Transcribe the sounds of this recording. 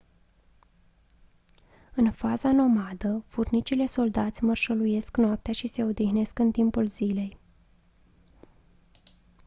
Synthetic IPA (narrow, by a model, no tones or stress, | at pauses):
ɨnfazano̞mad̪əfurnit͡ʃile̞so̞ld̪at̪sʲmərʃəluje̞sknoap̚t̪eaʃise̞o̞d̪ixne̞skɨnt̪impulz̥ile̞j